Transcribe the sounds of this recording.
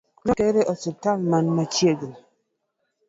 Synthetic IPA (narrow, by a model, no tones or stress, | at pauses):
nikeɾeʔɔsitalmanmat͡ʃjeɡe